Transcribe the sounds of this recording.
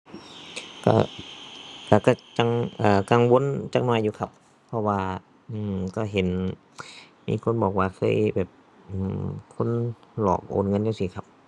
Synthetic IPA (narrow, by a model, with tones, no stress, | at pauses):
ka̰˧˩ | ka˧˩ka˧˩t͡ɕa˧ŋʔaː˨˩ka˧ŋwo˧˥˨nt͡ɕa˧˩k̚nɔː˧˩˨jːuː˧kʰa˧p̚ʰː | ɔ˧waː˧ | ʔɯː˧˩ka˧˩ɦe˨˦n | mḭː˧˥˨kʰo˧˥˨nbɔː˨˩k̚waː˧kʰɤː˧˥˨jbɛː˨˩p̚ | ʔɯ˧˩kʰo˧˥˨nlɔ̰ː˨˩k̚ʔo̰ː˨nŋɤ˧˥˨njuː˧siː˧˩kʰa˧˩p̚